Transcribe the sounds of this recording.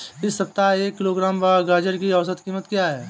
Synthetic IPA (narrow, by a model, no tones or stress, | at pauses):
ɪsːɐp̚t̪aeːkːɪloːɡɾaːmbaɡaːd͡ʒəɾkiɐʋsət̪kiːmət̪kjaɦɛː